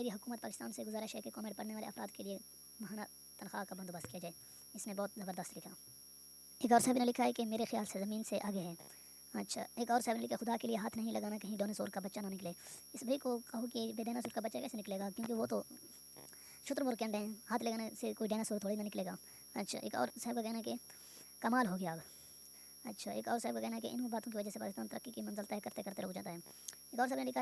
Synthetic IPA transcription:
meːɾiɦʊkuːmət̪̚pa̰ːkɪst̪aːnseɡʊzaːɾeʃɛːkekɔːmẽʈ̚pɐɽneʋaːlḛɐfɾaːd̪kelie | mɐɦaːna | t̪ɐnxa̰ːkabɐnd̪obəst̪̚kijad͡ʒaːe | ɪsnẽbɔːt̪zɐbəɾd̪əst̪lɪkʰaː | eːkɔːɾsaɦbinelɪkʰaɦɛkemeːɾexɪja̰ːlsezɐmiːnseʔaːɡeɦɛ̃ː | ɐtːʃʰa̰ːeːkɔːɾsaɦbinelɪkʰaxʊd̪akelieɦaːt̪ʰnɐɦĩlɐɡaːnakɐɦĩɖoːneso̰ːɾkabɐtːʃananɪkleː | ɪsbʱɐikokɐɦokibeːɖɛːnaːsʊːɾkabɐtːʃakɛːsenɪkleːɡaːkjõːk̬eʋot̪o | ʃʊt̪ɾmʊɾkeə̃nd̪əɦɛ̃ːhaːt̪ʰleːɡaːnasekoːiɖɛːnasoːɾt̪ʰoːɽainanɪkleːɡaː | ɐtːʃʰa̰ːʔḛːkɔ̰ːɾsɐɦəbkakɛːɦnaɦɛke | kɐmaːlɦoɡɪjaːb | ɐtːʃʰaːḛːkɔːɾsaɦəb̚kakɛːɦnaɦɛkeʔɪ̰nbaːt̪õk̬iʋɐd͡ʒəsepa̰ːkɪst̪aːnt̪ɐɾəkːikimɐ̃nzəlt̪aɦɛkɐɾt̪ekɐɾt̪eɾoːɡd͡ʒa̰ːt̪aɦɛː | eːkɔːɾs̬ɐɦbnelɪkʰa

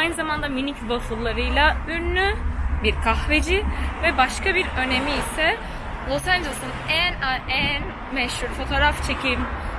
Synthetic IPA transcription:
ajnɯzamand̪aminicbasɯlˠːaɾɯjlˠayɾnybiɾkʰaxve̞d͡ʒivɛbaʃkabiɾø̞ne̞miːsɛ | lˠo̞sand͡ʒelˠsunænaæn | mɛʃhuɾfo̞t̪ʰo̞ːɾaft͡ʃʰe̞cʰim

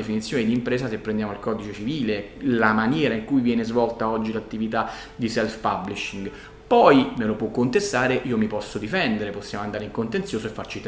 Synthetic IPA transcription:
efinit̪sːjoːnid̪iːmpɾeːsasepːɾend̪jaːmoilkɔd̪it͡ʃet͡ʃiviːlelamanjɛːɾaiŋkujvjɛːnezvɔlt̪aɔd͡ʒːilat̪ːivit̪a | d̪isɛlfpabliʃiŋɡ | pɔjmelopwɔkːont̪est̪aːɾeʔiːomipɔsːod̪ifɛnd̪eɾeposːjaːmoand̪aːɾeiŋkont̪ent̪sjoːsoefːart͡ʃit̪

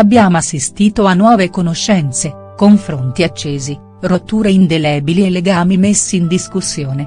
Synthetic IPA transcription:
abːjaːmoasːist̪iːt̪oanːwɔːvekonoʃːɛnt̪se | koɱfɾont̪iat͡ʃːeːzi | rot̪ːuːɾeind̪elɛːbilieleɡaːmimesːiːnd̪iskusːjoːne

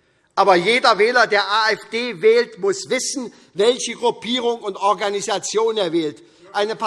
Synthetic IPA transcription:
ʔaːbɐjeːdɐvɛːlɐdeːɐʔaːɛfd̥eːvɛːltmʊsv̥ɪsn̩ | vɛlçəɡʁʊpʰiːʁ̞ʊŋʊntʔɔɐɡanizat͡sjoːneːɐvɛːlt | ʔaɪnəpʰa

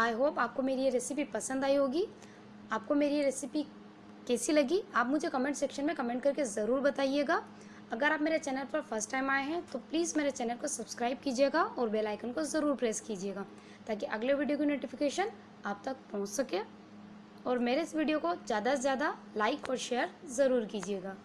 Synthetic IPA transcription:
aːjɦoːpaːp̚komeːɾieɾeːsɪpipɐsə̃nd̪aːiɦoːɡi | aːp̚komeːɾieɾeːsipi | kɛːsilɐɡiaːpmʊd͡ʒʱekɐmẽɳʈseːkʃənmẽkɐmẽːɳʈ̚kɐɾkezɐɾuːɾbɐt̪aːieːɡaː | ɐɡəɾaːpmeːɾet͡ʃɛːnəlpɐɾfʰɐɾsʈːaːɪmaːeɦɛ̃t̪opliːzmeːɾet͡ʃɛːnəlkosɐbskɾaːɪb̚kiːd͡ʒieːɡaʔɔːɾbeːlaːɪkənkozɐɾuːɾpɾeːskid͡ʒieːɡaː | t̪aːk̬iʔɐɡleʋiːɖijokinoːʈɪfɪkeːʃən | aːp̚t̪ɐk̚pɔ̃ɦʊ̃t͡ʃsɐkẽː | ɔːɾmeːɾeɪsʋiːɖijokod͡ʒjaːd̪azjaːd̪a | laːɪkɔːɾʃeːəɾzɐɾuːɾkiːd͡ʒieːɡaː

